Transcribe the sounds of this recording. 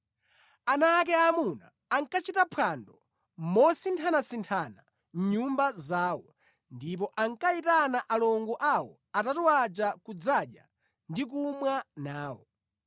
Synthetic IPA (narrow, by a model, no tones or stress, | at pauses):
anak̬ɛamuna̰ | aŋkat͡ʃitapʰandɔ | mɔsintʰanasintʰana | m̩ɲumbazaːwɔ | ndipɔʔaŋkaitanaʔalɔŋɡɔʔawɔ̰ | atatɔwat͡ʃakud͡zaɗja̰ | ndik̬umwanaːwɔ